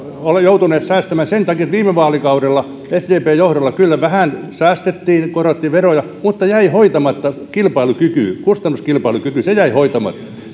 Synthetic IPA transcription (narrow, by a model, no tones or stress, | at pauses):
olejout̪uneːt̪sæːst̪æmæːnsent̪ɑkiet̪ʋiːmeʋɑːlikɑuɾelːɑ | esd̪eːpeːjohɾolˑːɑkylːæʋæhæˑnsæːst̪et̪ːiːnkoroˑt̪ːiːʋerojɑ | mut̪ːɑjæihoit̪ɑmɑt̪ːɑkilpɑilukyky̰kust̪ɑnːuskilpɑilukykysejæihoit̪ɑmɑ̰t̪ːɑ̥